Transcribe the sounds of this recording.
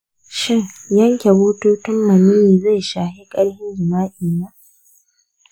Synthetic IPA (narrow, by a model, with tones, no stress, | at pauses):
ʃɪ˦ŋjɐ˦ŋkʲe˨buː˦toː˦tʊ˦mːɐ˨niː˦niː˨za˦˨jʃaː˨hi˦kʼɐ˦ɽhɪ˦nzʊ˨maː˦ʔiː˨naː˦